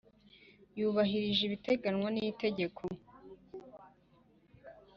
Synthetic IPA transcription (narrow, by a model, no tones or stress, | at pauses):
juːβaɦiɾiʒiβite̞ɡanŋwanijite̞ɟe̞kʰo